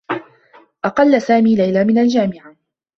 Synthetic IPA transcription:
ʔɑqɑlːasaːmiːlajlaːmɪnald͡ʒaːmɪʕa

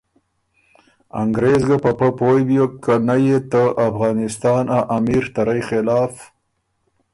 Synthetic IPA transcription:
a̰ŋɡɾezɡapapəpojbjokːanajet̪əʔafɣɑːnɪst̪ɑːnaʔamiɾt̪aɾajxɪlɑːf

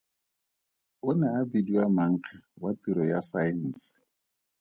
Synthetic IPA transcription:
ʊnɛabidiwamaŋ̩kʰawatiɾɔjasaɛn̩ːsɪ̥

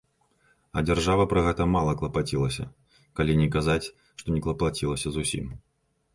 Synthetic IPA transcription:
ɐ̰d͡zʲarʐavɐpɾɐɣɛt̪ɐmalˠɐklˠɐpat͡sʲilˠɐsʲɐ̰ | kalʲinʲɛkazat͡sʲ | ʂt̪ɔnʲɛklˠɐplˠat͡sʲilˠɐsʲɐzusʲḭm

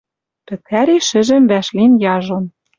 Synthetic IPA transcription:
pɘ̆kʰæɾiʃɘ̆ʒɘ̆mβæʃlinjɑʒɤ̆n

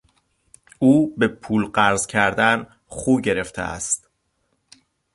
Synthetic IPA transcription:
uːbe̞pʰuːlɢæɾzcʰæɾd̪æn | χuːɟe̞ɾe̞ft̪ʰḛʔæ̰st̪

